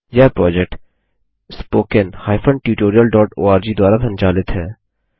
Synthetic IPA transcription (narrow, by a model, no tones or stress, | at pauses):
jaːpɾɔːd͡ʒek̚ʈ | spoːkenhaːɪfʰə̃ɳɖʈuːʈoːɾijəlɖɔːʈoːaːɾd͡ʒiːd̪waːɾasʰɐ̃nd͡ʒaːlɪt̪ɦɛː